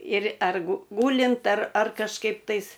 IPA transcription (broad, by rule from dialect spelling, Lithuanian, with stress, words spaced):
ɪr ˈɛr ɡʊ ˈɡuːlʲɪnt ɐr ɐr kɐʃˈkɐɪp tɐɪs